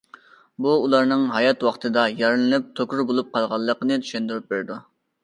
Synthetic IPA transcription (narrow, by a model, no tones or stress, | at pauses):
buːlˠɑɾnɨŋɦɑjɑt̪wɑχt̪ʰɨd̪ɑjɑɾɨnɨnɨp̚t̪ʰokʲuɾbolˠup̚qʰɑlˠʁɑlˠːəqənɨt̪ʰy̥ʃɛnd̪yɾyp̚beɾd̪u